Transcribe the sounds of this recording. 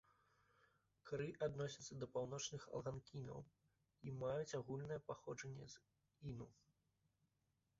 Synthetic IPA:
kɾɨʔad̪nɔsʲɐt̪sːɐd̪ɐpawnɔt͡ʂnɨxɐ̰lˠɣankʲinɐ̰w | imajut͡sʲaɣulʲnɐjɛpaxɔʐɐnʲːɛ̰z | inu

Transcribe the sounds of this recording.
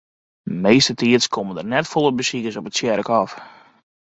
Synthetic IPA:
meːstətiətskʰoməndərnɛtfolˠəbəsikəsɔpətsjɛɾəkɔf

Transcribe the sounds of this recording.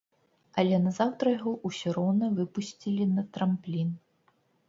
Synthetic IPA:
ɐlʲɛnɐzawt̪ɾɐjɐɣɔʔusʲɔɾɔwnɐvɨpusʲt͡sʲilʲinɐt̪ɾɐmplʲin

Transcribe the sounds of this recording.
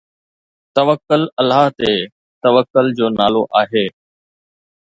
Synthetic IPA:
t̪əʋəkːʊləlaːɦt̪eː | t̪əʋəkːʊld͡ʑoːnaːloːʔaːɦeː

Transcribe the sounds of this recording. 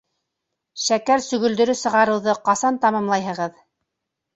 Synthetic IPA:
ʃækæɾsɵ̆ɣɵ̆ld̪ɵ̆ɾɵsɤ̆ʁɑɾɤ̆wðɤqɑsɑnt̪ɑmɑmlˠɑjɦɤ̆ʁɤð

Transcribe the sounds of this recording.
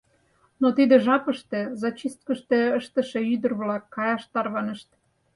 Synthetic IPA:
not̪id̪ĕʒɑpəʃt̪ĕzɑt͡ɕist̪̚kəʃt̪eəʃt̪ə̆ʃeyd̪ərβlɑkːɑjɑʃt̪ɑrβɑnəʃt̪

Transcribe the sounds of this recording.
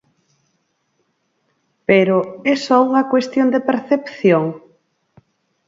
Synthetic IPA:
peɾoesɔuŋɐkwest̪jond̪epeɾθepθjoŋ

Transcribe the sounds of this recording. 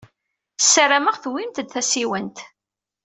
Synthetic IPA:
sːəɾaməʁθwimt̪d̪θæsiwənt̪

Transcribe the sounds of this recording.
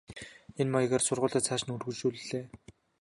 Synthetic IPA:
enmɔj̆ɣeːrsʊrʁʊːɮaːt͡sʰaːʃ̆nɵrɣɵ̆t͡ɕuːɮɮeː

